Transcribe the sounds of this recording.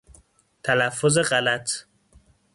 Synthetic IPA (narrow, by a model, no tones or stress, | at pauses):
t̪ʰælæfːozeɢælæt̪ʰ